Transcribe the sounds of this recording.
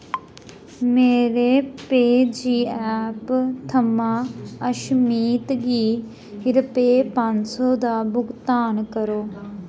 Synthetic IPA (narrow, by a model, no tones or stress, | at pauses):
meːɾeːpeːd͡ʒiːɛːpt̪ʰəmãːəʃmiːt̪ɡiː | ɪɾəpeːpãnsoːd̪aːbʊɡt̪aːnkəɾoː